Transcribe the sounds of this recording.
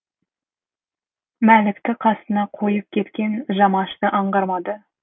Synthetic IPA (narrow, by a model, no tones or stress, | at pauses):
mælɪkt̪ɪqʰɑst̪ənɑqʰo̞jəp̚kʲʰe̞t̪kʲe̞nʒɑmɑʃt̪əʔɑɴʁɑɾmɑd̪ə